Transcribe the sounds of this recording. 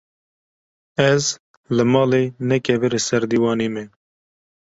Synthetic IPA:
ɛz | lɨmɑːlenɛkʰɛvɨɾesɛɾd̪iːwɑːneːme

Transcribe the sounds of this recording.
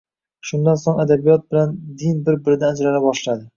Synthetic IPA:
ʃʊnd̪ansoŋad̪abijɒt̪̚bɪland̪ɪnbɪɾbɪɾɪd̪aːd͡ʒɾalabɒʃlad̪ɪ

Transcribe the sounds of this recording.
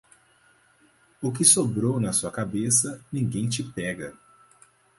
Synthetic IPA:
ʊkɪsobɾownɐsuɐkabesɐnĩɡẽj̃t͡ʃɪpɛɡɐ

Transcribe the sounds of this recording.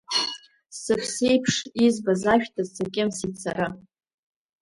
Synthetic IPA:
sɨχʲsejpʰʂizbazaʃᶣtʰazsakʲʼɪmsit͡sʰaɾɨ

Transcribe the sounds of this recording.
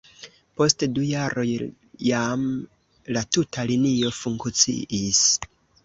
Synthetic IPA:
po̞stdujaɾo̞j | jam | latutʰalinio̞fuŋkt͡sḭʔis

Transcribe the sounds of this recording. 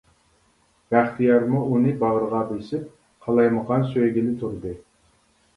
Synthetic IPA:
væχt̪ʰijɑɾmuunɨbɑʁɾəʁɑbesɪp̚ | qʰɑlˠɑjməʁɑnsøjɡʲilɪt̪ʰuɾd̪ɨ

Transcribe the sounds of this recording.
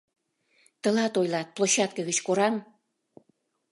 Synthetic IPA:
t̪ə̆lɑt̪ojlɑt̪̚ploɕɑt̪̚kəɣət͡ɕkoɾɑm

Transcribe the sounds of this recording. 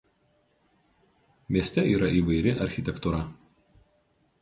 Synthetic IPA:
mʲiɛsʲt̪ʲɛiːɾɐʔiːʋɐɪɾʲɪʔɐɾʲxʲɪt̪ʲɛkt̪uɾɐ

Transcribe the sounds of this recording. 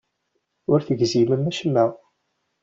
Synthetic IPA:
ʊɾθəɡziməmæʃəmːæ

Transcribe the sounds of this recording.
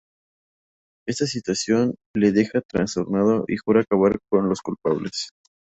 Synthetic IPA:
e̞st̪asit̪wasjo̞nle̞ðe̞xat̪ɾanst̪oɾnaðoʔixuɾaːkaβaɾko̞nlo̞skulpaβles

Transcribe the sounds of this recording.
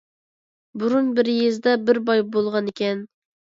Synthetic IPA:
buɾunbɪɾjezd̪ɛbɪɾbɑjbolˠʁɑnekʲɛn

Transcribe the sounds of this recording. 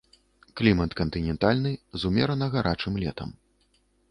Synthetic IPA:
klʲimɐt̪kɐnt̪ɨnʲɛnt̪alʲnɨzumʲɛɾɐnɐɣaɾʔat͡ʂɨmlʲɛ̰t̪ɐ̰m

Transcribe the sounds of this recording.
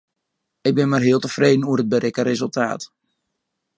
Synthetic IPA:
ɪk̚bɪnmarɦɪəlˠtəfreːdən̩uərəd̚bəɾɪkəɾezəlˠta̰ːt

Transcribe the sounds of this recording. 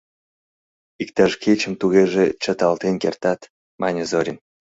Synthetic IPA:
ikt̪ɑʃkʰet͡ɕə̆mt̪uɣeʒet͡ɕə̆t̪ɑlt̪enkert̪ɑt̪ | mɑnʲezoɾʲim

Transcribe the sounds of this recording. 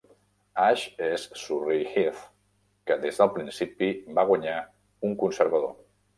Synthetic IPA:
aʃessurixif | kəd̪ezðəlˠpɾinsipibaɣwaɲa | uŋkunsəɾβəðo̰

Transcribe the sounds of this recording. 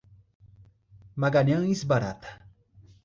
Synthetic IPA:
maɡaɲɐ̃ŋisbaɾa̰t̪ɐ̥

